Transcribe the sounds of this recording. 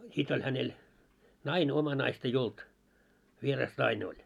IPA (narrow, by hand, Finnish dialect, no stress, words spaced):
sit olʲ hænel nɑine omɑ nɑist ei olt ʋierɑs nɑine olʲ